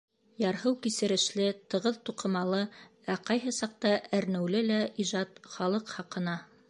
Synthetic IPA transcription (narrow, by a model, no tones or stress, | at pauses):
jɑɾɦɤwkisɘ̆ɾɘ̆ʃlɘt̪ɤ̆ʁɤðt̪uqɤ̆mɑlˠɤ | æqɑjɦɤsɑq̚t̪ɑʔæɾnɘ̆wlɘlæʔiʒɑt̪̚χɑlˠɤqhɑqɤ̆nɑ